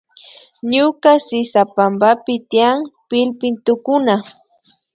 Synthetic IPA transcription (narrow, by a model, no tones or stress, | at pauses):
ɲʊkasɪsapambapɪt̪ijaŋpɪlpɪnt̪ʊkʊna